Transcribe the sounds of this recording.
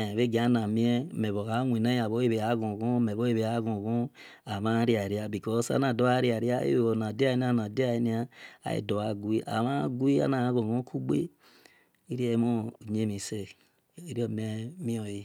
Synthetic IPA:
βe˦ɡi˨a˦na˨mĩ˦e˦me˨βo˨ɣa˨˦ŋʷe˨na˦a˨βo˦e˦βe˨a˨˦ɣõ˨ɣo˦me˨βo˦e˦βe˨a˦ɣõ˨ɣõ˦ | a˨ma˦ɾi˦a˨e˨ɾi˦a˦bi˨kɔ˦sa̰˦na˨do˦a˦ɾi˦a˨ɾi˦a˦ḛ˦˨o˨na˨di˦a˦˨e˦ni˦a˦na˨di˦a˨e˦ni˦a˦a̰˨ḛ˨do˨a˨ɡwi˦ʔa̰˨mã˦ɡu˦i˦a̰˦na˨˦ɣo˨ɣõ˦kʰu˦ɡ͡bḛ˦ | i˦ɾi˦e˦mo˦˨ɲe˦mi˨se˦ | i˦ɾi˦o˦˨me˦mi˦o˨i˦

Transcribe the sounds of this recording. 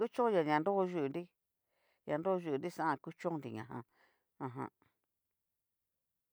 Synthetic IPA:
ku˦t͡ʃõ˦jã˨ɲã˨nd̪o˦˧ʒu˦˧u˨nd̪i˦ | ɲã˧nd̪o˦˧ʒu˧u˨nd̪i˦sã˦ʔã˧ku˦t͡ʃõ˦nd̪i˨ɲã̰˨ɦã̰˧ | ã˧ɦã̰˧

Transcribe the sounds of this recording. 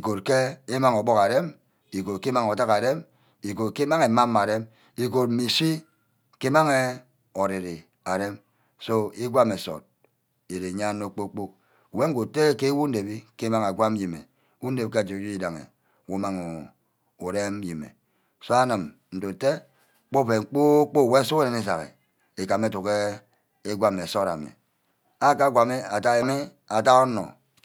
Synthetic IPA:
i˨ko˨tke˦e˦ma˦ŋo˨bo˦ka˨ɾe˦m | i˨ko˨t̚ki˦ma˦ŋo˨ta˦ka˨de˦m | i˨ko˨t̚ki˦ma˦ŋe˨ma˦mː˦a˨ɾe˦m | i˨ko˨t̚m̩˦mi˨si˦ | ke˦ma˦ŋe˨ | o˨ɾi˨ɾi˨ | a˨ɾe˦m | so˦i˦ɡʷa˦me˨so̰˨t̚ | e˨ɾe˨ɲa˦no˦k͡po˦k͡po˦k̚ | we˦ŋ̩˦ɡo˨te˦ke˦wu˦n̩˦de˨bi˦ke˦ma˦ŋa˨ɡʷa˦m˦ji˨mḛ˨˦ | wu˦n̩˦de˨bi˦ke˦a˨d͡ʒi˨˦d͡ʒi˦i˦da˨ŋḛ˨ | wo˦ma˦ŋo˨ | o˨ɾe˦m˦ji˨mḛ˨ | so˦a˦nɨ˨m | n̩˨to˨te˦ | k͡po˦pe˨ŋ͡m̩˦˨k͡po˦k͡po˦˨we˦so˦o˦ɾe˨ne˦s̬a˨ɣḛ˨ | e˨ka˨me˦tu˨ke˦ | e˦ɡʷa˦me˨so˦ɾa̰˨mḭ˨ | a˦ka˦˨ɡʷa˨me˦a˨ta˦e˨mi˦ | a˨ta˦o˦no̰˨

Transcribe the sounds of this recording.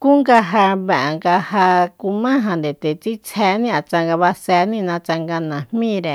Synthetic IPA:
ku˦ŋɡa˧ɦa˧βɛ˨ʔŋɡa˧ha˧ku˧mã˦ɦã˨nd̪e˨t̪e˨t͡si˦t͡sʰɛ˧nĩ˦a˨t͡ʃa˧ŋɡa˧βa˧sɛ˧nĩ˦˧nã˧t͡ʃa˧ŋɡa˧nã˨hmĩ˦˨ɾe˨

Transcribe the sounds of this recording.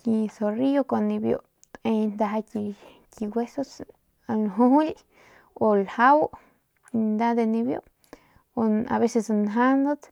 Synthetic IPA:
ki˧so˨ri˦o˦ko˧ni˧bjo̰˧ | e˧nd̪a˧ɦa˧ki˧ | ki˧ɡwʷe˦so˦s | lɦu˦u˦lʲ | o˧lha˦w | nd̪a˦d̪e˧ni˧bjo̰˦ | o˧a̰˨βe˦se˧snɦa˦nd̪o˦t̪

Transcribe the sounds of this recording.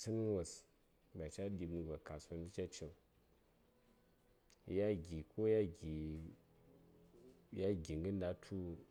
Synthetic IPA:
si˦n˦wa˨s | ba˨t͡ʃa˦di˨bni˨ba˨ka˨sa˨n˦i˦t͡ʃa˦t͡ʃi˨m˦ | ja˦ɡʲi˨ko˦ja˦ɡi˨ | ja˦ɡi˨ŋɡə˦n˦da˦tʰu˦

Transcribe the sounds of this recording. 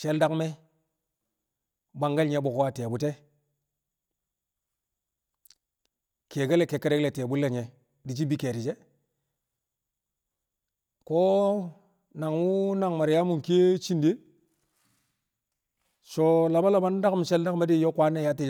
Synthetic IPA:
ʃe˦lda˦kme˦ | ba˨ŋɡa˦lɲe˨˦bu˨kwa˨te˨bu˨te˦ | ke˨ɡa˦le˨ke˨kːe˦de˦kle˨te˨bu˦lːa˨ɲe˨ | di˨t͡ʃ̬i˦bi˦ke˨ɾi˨d͡ʒe˦ | ko˦ | na˨ŋwu˦na˨ŋma˨ɾja˦mu˨ŋke˦t͡ʃi˦nde˦ | so˨la˨ba˦la˨ba˦n˦da˦km˨ʃe˦lda˦kme˦di˦jo˦kʷa˦nːe˦˨ja˦ti˨˦

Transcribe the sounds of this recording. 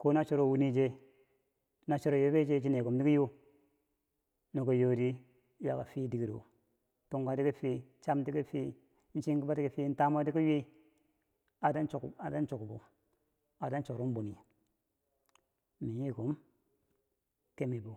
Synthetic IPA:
ko˦na˦t͡ʃo˦ɾo˨wu˦ni˦d͡ʒe˦ | na˨t͡ʃo˦ɾo˨jo˦be˦d͡ʒe˦t͡ʃi˦ne˨ko˨mdi˦ki˦jo˦ | no˨ko˨jo˨ɾi˦ | ja˨ka˨fi˦di˨ɡi˨ɾo̰˨ | to˦ŋɡa˨ti˦ki˦fi˦t͡ʃa˦mti˦ki˦fi˦ | n̩˦t͡ʃi˦ŋkba˦ti˦ki˦fi˦n̩˦ta˦ma˦ti˦ki˦ji˦ | a˨da˦nt͡ʃa˨da˦nt͡ʃo˨kbo̰˨ | a˨da˦nt͡ʃo˨ɾo˦m˦bo˨ni˨ | mi˨ji˦˨ko˨˦m | ke˦mi˨bo˨

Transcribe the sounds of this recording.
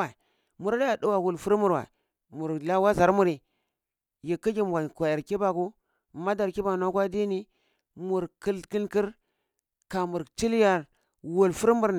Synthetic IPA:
a˨ | mu˦ɾa˦la˦a˨du˦wa˨wu˨lfu˦ɾmu˦˨ɾwa̰˨ | mu˨ɾla˦wa˦za˨ɾmu˦ɾi˨ | ji˨kːi˦ɡi˦m˨ɡʷa˨kʷa˨ja˨ɾki˦ba˨ku˦˨ | ma˦da˨ɾki˦ba˨na˦kwa˦di˦ni˦ | mu˨ɾki˦lki˦lki˦ɾ | ka˨mu˨ɾt͡ʃi˦lja˨ɾ | wu˨lfu˦ɾmu˦ɾ

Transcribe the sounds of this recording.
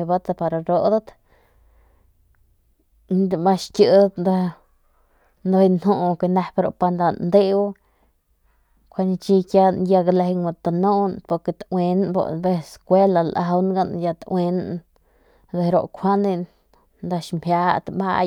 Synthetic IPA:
ba˦t̪a˧pa˧ɾa˧ɾo˧d̪a˦t̪ | d̪mba˧ʃkʲɨ˧d̪a˦t̪nd̪o˧ | nd̪o˧nhu˧ke˧na˧pɾo̰˧pa˧nd̪a˧nnd̪e˦w | kʰʷa˧ni˧t͡ʃi˧kja˧nja˧ɡle˧ŋa˧t̪a˧no˦npo˧ɾke˧t̪wʷe˧nbo̰˧be˧skʷe˦la˧lʔa˧wnɡa˦nja˧t̪we˧na | d̪e˧ɾo̰˧kʷʰa˦nd̪e˧n | nd̪a˧ʃmbja˧t̪ba̰˧

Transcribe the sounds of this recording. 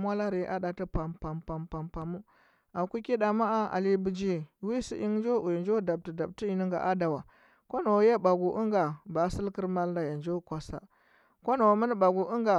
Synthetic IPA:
mwa˦la˦ɾi˨˦ʔa̰˦ɗa˨ti˦pa˨mpa˨mpa˨mpa˨mpa˨mu˦ | a˨ku˦ki˦da˨ma˦a˦a̰˨li˦bi˨d͡ʒi˦wi˦sḭ˦ʔi˦ŋ˦d͡ʒo˦u˨jnd͡ʒo˦da˨b̚ti˨da˨b̚ti˦i˨ni˦ŋɡa̰˨ʔa˦da˨wa˨ | ko˦no˨˦je˦ba˨ɡu˨ʔu˦ŋɡa˨ba˨˦si˦lki˦ɾma˦lda˨ja˨nd͡ʒo˦kʷa˨sa̰˨ | ko˦no˨mə˦n˦ba˨ɡu˨ʔu˦ŋɡa˨

